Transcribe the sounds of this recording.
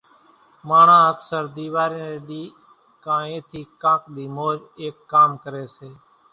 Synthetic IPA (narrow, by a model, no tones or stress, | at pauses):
maːɳãːəksəɾd̪iːʋaːɾeːneːɗ̪iː | kãːẽːt̪ʰiːkãːkɗ̪iːmoːd͡ʒ | eːkːaːmkəɾeːseː